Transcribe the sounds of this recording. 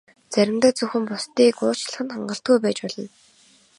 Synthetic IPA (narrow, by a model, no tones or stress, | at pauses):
t͡sæɾʲɪ̆mt̪aːt͡sɵxɘ̆mpʊst̪iːkʊːt͡ɕɮə̆χɘ̆nχaɴɢə̆ɬt̪̚ɡujpæːt͡ɕpɔɮɞ̆n